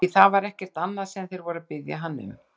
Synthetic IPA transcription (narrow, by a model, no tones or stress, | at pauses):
θavaɾɛhcɛr̥t̪anːaðsɛmθejɾvɔːɾapɪðja̰ɦanːɪ̰m